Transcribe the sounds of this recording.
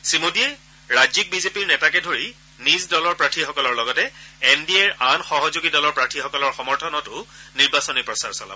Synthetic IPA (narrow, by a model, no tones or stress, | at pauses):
simodiɛ | ɹad͡ʒik̚bizepiɹnɛtakɛdʱoɹi | nisdɔlɔɹpɹatʰixɔkɔlɔɹlɔɡɔtɛɛndiɛɹanxɔɦɔzuɡidɔlɔɹpɹatʰixɔkɔlɔɹxɔmɔɹtʰɔnɔtʊniɹbasɔnipɹɔsaɹsɔ̰la̰bɔ